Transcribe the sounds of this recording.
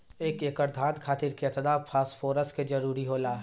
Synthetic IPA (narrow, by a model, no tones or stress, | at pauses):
eːkeːkəɾd̪ʱãːnd̪kʰaːt̪ɪɾkeɐt̪əd̪aːpʰaːsfʰoːɾəsked͡ʒɐɾuːɾiɦoːlaː